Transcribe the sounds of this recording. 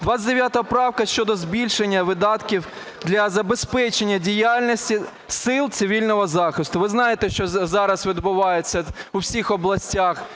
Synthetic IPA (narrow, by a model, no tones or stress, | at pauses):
d̪ʋat̪ʲɐtd̪eʋʲjat̪ɔɦɔpɾɑwkɐʃʲt͡ʃɔd̪ɔzbʲilʲʃenʲːɐʋɪd̪ɑt̪kʲiw | d̪lʲɐzɐbespɛt͡ʃenʲːɐdʲijalʲnɔsʲtʲi | sɪlˠt̪sɪʋʲilʲnɔɦɔzɑxɪst̪ʊʋɪznɑjet̪ɛʃt͡ʃɔzɑɾɐsʋʲid̪bʊʋɑjet͡sʲːɐuwsʲixɔblˠɐsʲtʲax